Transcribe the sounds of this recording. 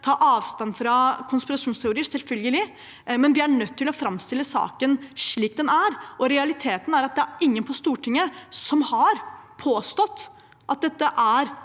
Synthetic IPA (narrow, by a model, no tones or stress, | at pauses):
t̪ʰɑːʔɑːʋst̪ɑnfɾɑkʰʊnspɪɾɑʂuːnst̪ʰɛʊɾiːəɾsɛlfœlɡəlɪ | mɛnʋɪæɳœt̪ʰːɪlɔfɾɑmst̪ɪlːəsɑ̰ːkənʂɭiːk̚d̪ɛnæɾɔɾɛɑlɪt̪ʰeːt̪n̩æɾɑt̪̚d̪ɛæɾɪŋːənpʰɔst̪uːʈʰɪŋːəsɔmhɑɾpʰoːst̪ɔt̪ː | ʔɑt̪̚d̪ɛt̪ːəʔæɾ